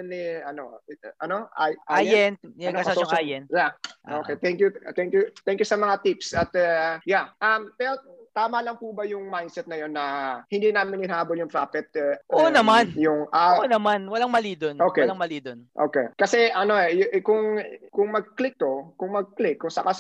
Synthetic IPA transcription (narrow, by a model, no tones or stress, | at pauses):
ɛniɐnoʔɐnoʔajʔaajɛnɡ̪aaɐoŋʔaːjɛnjaʔoːkɛt̪ɛŋkjʊt̪ɛŋkjʊt̪ɛŋkjʊsɐmɐŋat̪ipsɐt̪ɐjaʔɐmpɛɾot̪aːmɐlɐŋpubɐjʊŋmajnd̪sɛt̪̚nɐjo̞nːɐhɪnd̪iːnaːmɪnɪnhaːboljʊŋpɾaːfɛt̪̚ʔʔoːnɐmanjʊŋʔɐonɐmanwɐlaŋmɐliːd̪onʔoːklaŋmɐliːd̪onʔo̰ːkekɐsɛʔɐno̞ɛjʔkʊŋkʊŋmɐɡ̚klɪk̚t̪o̞kʊŋmɐɡ̚klɪkːʊŋsɐkas